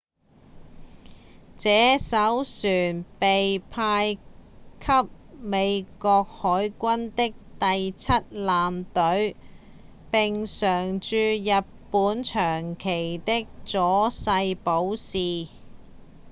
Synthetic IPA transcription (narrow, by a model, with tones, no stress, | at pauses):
t͡sɛː˨˥sɐ˨˥wsyː˨˩npe˨jpʰaː˧jkʰɐ˥p̚ | me˨˧jkɔː˧k̚hɔː˨˥jkʷɐ˥nt̪ɪ˥k̚t̪ɐ˨jt͡sʰɐ˥t̚laː˨mt̪ɵ˨˥ɥ | pɪ˨ŋsœː˨˩ŋt͡ʃyː˧jɐ˨t̚puː˨˥nt͡ʃʰœː˨˩ŋkʰe˨˩jt̪ɪ˥k̚t͡sɔː˨˥sɐ˧jpo˨˥wsiː˨